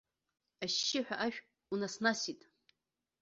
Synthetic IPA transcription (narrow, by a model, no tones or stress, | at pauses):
aʃːɪħᶣaʔaʃᶣ | unasnasitʼ